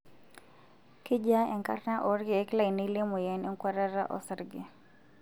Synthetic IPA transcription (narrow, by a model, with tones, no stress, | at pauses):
kɪ˦d͡ʒa˦ɛ˨ŋka̰˦rna˦ʔɔ˨ɾɡɪ˨˦kla˦˨jni˦le˦mɔ˨jɛ˨nɛ˦ŋkwa˦ɾa˦ɾa˦ʔɔ̰˨sɾɡɪ˨